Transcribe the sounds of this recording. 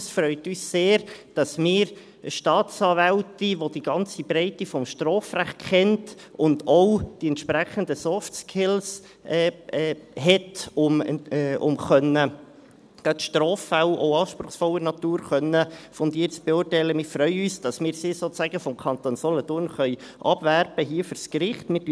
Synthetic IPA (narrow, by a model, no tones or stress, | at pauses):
sfɾœʏt̪yːsseːɾd̥ɑsmɪːɾ | ʃtɑːtt͡sɑːvæwtiʋod̥iɡ̥ɑnt͡sibɾɛɪtifɔmʃtɾoːfɾæχt̚kɛnt | ʊndɔwd̥iɛntʃpɾæχənd̪əsɔftskʰɪls | ʔɛɛɦɛtʊmʊ̰mχœnːə | ɡ̥ɑtʃtɾoːfæwʔo̰ʊɑːʃpɾʊχsfɔlənɑt̪uːɾχœnːəfɔnd̪iːɾt͡sb̥eʊrtɛɪləmɪfrœʏyːsd̥ɑsmɪːɾsɪsoːæɡəfɔmkʰɑnt̪oːnsɔlɔt̪ʊːnχœʏ | ʔɑb̥værb̥əɦiəføɾskɾɪχtmɪt